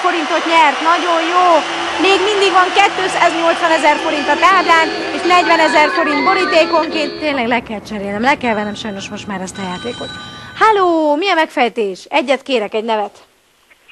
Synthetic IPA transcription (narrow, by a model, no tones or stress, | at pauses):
oɾint̪o̞t̪ɲɛrt̪nɒɟo̞njoː | meːɡmind̪iɡʋɒŋkɛt̪ːøːsaːzɲo̞lt̪sʋɒnɛzɛrfo̞ɾint̪ɒt̪aːblaːneːʃnɛɟvɛnɛzɛrfo̞ɾint̪bo̞ɾit̪eːko̞ŋkeːnt̪t̪eːɲlɛɡlɛkɛlt͡ʃɛɾeːlɛmlɛkɛlvɛnɛmʃɒjno̞ʃmo̞ʃt̪maːɾɛst̪ɒjaːt̪eːko̞t̪haloːmiɒmɛkfɛjt̪eːʃɛɟːɛt̪keːɾɛkɛɟnɛvɛt̪